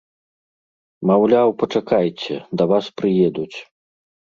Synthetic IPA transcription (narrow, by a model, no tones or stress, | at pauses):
mawlʲawpɐt͡ʂakajt͡sʲɛ̰d̪ɐvaspɾɨjɛd̪ut͡sʲ